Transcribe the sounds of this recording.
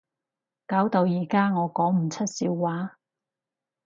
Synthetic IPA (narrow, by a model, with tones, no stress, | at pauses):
kaː˨˥wt̪o˧wjiː˨˩kaː˥ŋɔː˨˧kɔː˨˥ŋm̩˨˩t͡sʰɐ˥t̚siː˨˧wːaː˨˥